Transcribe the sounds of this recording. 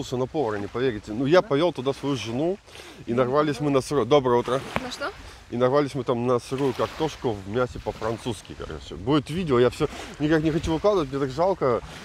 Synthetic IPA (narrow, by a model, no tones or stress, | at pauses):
lˠsʲənɐpo̞vəɾɐnʲɪpɐvʲeɾʲɪtʲɪnujapɐvʲelˠt̪ʊd̪asvɐjuʐɨnu | inɐrvalʲɪsʲmɨnəsɨɾujd̪o̞bɾəjəut̪ɾənɐʂt̪o | inɐrvalʲɪsʲmɨt̪amnəsɨɾujʊkakt̪oʂkʊvmʲæsʲɪpəfɾɐnt̪suskʲɪ̰ka̰r̰sʲo̰buɪt̪vʲidʲɪojafsʲɵnʲɪkaknʲɪxɐt͡ɕuvɨklˠad̪əvət̚ʲmɲʲet̪akʐalˠkə